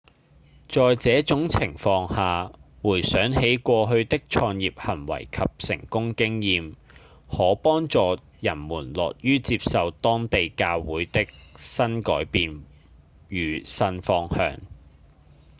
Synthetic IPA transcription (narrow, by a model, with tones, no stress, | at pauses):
t͡ʃɔː˨jt͡sɛː˨˥t͡sʊ˨˥ŋt͡sʰɪ˨˩ŋfɔː˧ŋhaː˨wuː˨˩jsœː˨˥ŋhe˨˥jkʷɔː˧ɦɵ˧ɥt̪ɪ˥k̚t͡ʃʰɔː˧ŋjiː˨p̚hɐ˨˩nwɐ̰˨˩jkʰɐ˨p̚sɪ̰˨˩ŋkʊ˥ŋkɪ˥ŋjiː˨˧m | hɔː˨˥pɔː˥ŋt͡sɔː˨ | jɐ˨˩nmuː˨˩nlɔː˨k̚jyː˥t͡siː˧p̚sɐ˨wt̪ɔː˥ŋt̪e˨jkaː˧wwuː˨˥jt̪ɪ˥k̚sɐ˥nkɔː˨˥jpiː˨n | jyː˨˩sɐ˧nfɔː˧ŋhœ̰ː˧ŋ